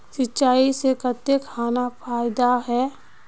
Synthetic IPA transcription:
sɪtːʃaːisekət̪ːekʰːaːnapʰaːɪd̪aɦɛː

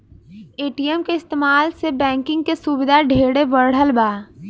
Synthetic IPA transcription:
eːʈiːəmkeɪst̪eːmaːlsebɛ̃ːŋkɪ̃ŋɡ̚kesubɪd̪ʱaɖʱeːɽeʋəɽ̤əlbaː

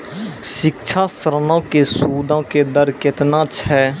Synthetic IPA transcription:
ʃɪkt͡ʃʰaːsəɾnãːkeːsuːd̪ãːkeːd̪əɾkɪt̪nãːt͡ʃɦɛː

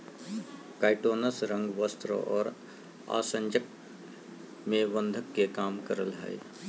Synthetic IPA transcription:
kaːɪʈoːnəsɾə̃ŋɡʋəst̪ɾə̰ʔɔːɾ | a̰ːsə̃ɲd͡ʒək̚ | mẽʋə̃nd̪ʱəkːekaːmkəɾəlɦɛ̰i

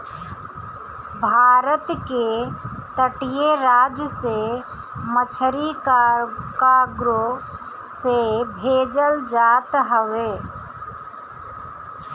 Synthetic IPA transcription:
bʱaːɾət̪ket̪əʈijeɾaːd͡ʒjəse | mət͡ʃʰəɾikkaɡɾo | sebʱeːd͡ʒəld͡ʒaːt̪ɦəʋeː

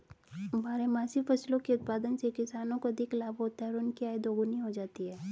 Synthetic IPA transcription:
bʱaːɾemaːsifʰɐslõkeʊt̪̚paːd̪ənsekɪsaːnõkoɐd̪ʱɪklaːbʱɦoːt̪aɦɛɔɾʊnkiaːid̪oːɡʊniɦod͡ʒaːt̪iɦɛː

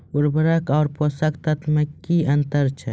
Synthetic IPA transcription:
ʊɾbɐɾakaːɾposakt̪ɐt̪mɐkːiɐnt̪ɐɾt͡ʃʰɐ

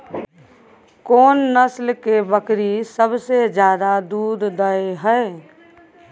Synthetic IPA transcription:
koːnːəslkebəkɾisəbsed͡ʒjaːd̪ad̪uːd̪d̪əeɦɛe

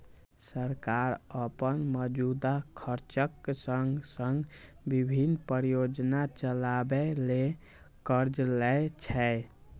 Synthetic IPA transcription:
səɾkaɾəpənməd͡ʒud̪akʰəɾt͡ʃəksəŋɡsəŋɡ | bibʱinpəɾjod͡ʒnat͡ʃəlabele | kəɾd͡ʒlɛt͡ʃʰɛ

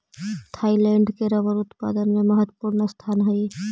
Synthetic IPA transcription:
t̪ʰaːilɛ̃ːɳɖkeɾəʋəɾʊt̪pa̰ːd̪ənmẽməɦət̪wəpuːɾnast̪ʰaːnɦəi

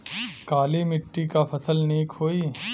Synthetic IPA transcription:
kaːlimɪʈːikapʰɐsəlniːkɦoːiː

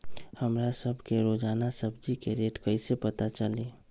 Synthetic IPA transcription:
həmɾasəbʱkeɾod͡ʒaːnasəbd͡ʒikeɾeʈkəɪsepət̪at͡ʃəle

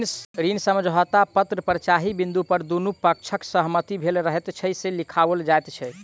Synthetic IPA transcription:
ɾinsəməd͡ʒɦɔt̪apət̪ɾəpɾət͡ʃaɦibind̪upəɾd̪unupək̚t͡ʃʰəksəɦmət̪ibʱelɾəɦɛt̪t͡ʃʰəselikʰaʋəld͡ʒaet̪t͡ʃʰɛ

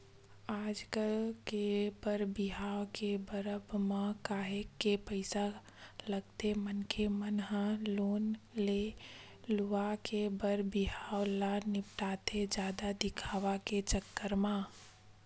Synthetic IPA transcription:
aːd͡ʒkəlkebəɾbɪɦaːwkebəɾəbmãkaːɦekːepəɪsa | ləɡt̪emənkʰemənɦãloːnle | luakebəɾbɪɦaːwlanɪpʈaːt̪ʰed͡ʒaːd̪ad̪ɪkʰaːʋaket͡ʃəkːəɾmãː

